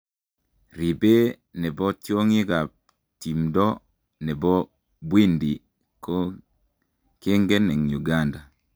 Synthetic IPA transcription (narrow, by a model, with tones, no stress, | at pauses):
ɾi˨be˦ | nɛ˨bɔ˦t͡ʃjo˦ŋi˦ka˨ | ti˨mdɔ˦ | nɛ˨bɔ˦ | bwi˦ndi˨ | ko˦ | ke˦ŋɡe˦nɛ˨ŋ˨u˨ɡa˦nda˨